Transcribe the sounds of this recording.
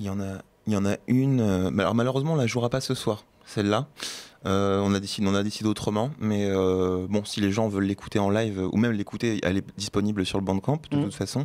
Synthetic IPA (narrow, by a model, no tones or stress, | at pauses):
iljɑ̃na | iljɑ̃naynømalɔ̰ʁmaløʁøzmɑ̃ɔ̃laʒuʁapasəswaːʁ | sɛlːaøɔ̃nad̪esid̪eɔ̃nad̪esid̪eot̪χəmɑ̃mɛøbɔ̃sileʒɑ̃vœlːekʰu̥t̪eɑ̃lajvøʔṵmɛmlekut̪eɛ̰lɛd̪ispɔnibləsyʁləbɑ̃d̪̚kɑ̃pd̪ət̪ut̪fasɔ̃